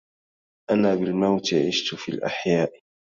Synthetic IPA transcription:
ʔanaːbɪlmawt̪ɪʕɪʃt̪ʊfḭːlʔa̰ħjaːʔ

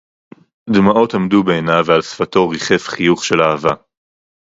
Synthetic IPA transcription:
d̪maʔo̞tamd̪ubeenavealsfato̞ʁiχe̞fχijuχʃe̞laːva

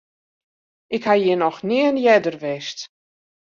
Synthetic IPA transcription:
ɪkhajɪnɔxniənjɛdərʋɛst

